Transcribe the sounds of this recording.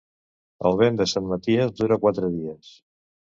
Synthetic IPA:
ə̰lˠβ̞end̪əsanmət̪iəzd̪uɾəkwat̪ɾəðiəs

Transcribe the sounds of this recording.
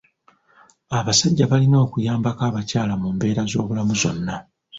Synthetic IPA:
aβasaɟːaβalino̞ːkujaːmbakaːβacaːlamumbe̞ːɾazo̞ːβulamuzo̞nːa

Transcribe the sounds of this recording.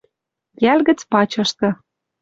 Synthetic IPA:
jælɣə̆t͡spɑt͡ɕɤ̆ʃt̪ɤ̆

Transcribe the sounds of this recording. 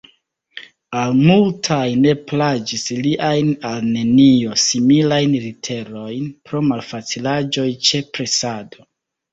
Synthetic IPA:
almultʰajne̞plad͡ʒisliʔajnalne̞nio̞similajnlitʰe̞ɾo̞jnpɾo̞malfat͡silad͡ʒo̞jt͡ʃe̞pɾe̞sado̞

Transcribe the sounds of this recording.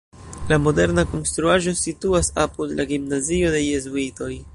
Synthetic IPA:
lamo̞de̞ɾnako̞nstɾuaʒo̞situasapudlaɡimnazio̞de̞jezuito̞j

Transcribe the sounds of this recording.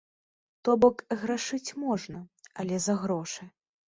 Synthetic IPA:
t̪ɔbɔkɣɾaʂɨt͡sʲmɔʐnɐɐlʲɛzɐɣɾɔʂɨ

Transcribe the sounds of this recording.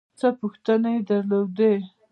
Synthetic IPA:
t͡səpuxt̪ənaed̪aɾlod̪e

